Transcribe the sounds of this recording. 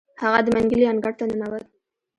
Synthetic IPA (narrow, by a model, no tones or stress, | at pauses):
haɣad̪əmaŋɡəlianɡaɽ̚t̪anənawəl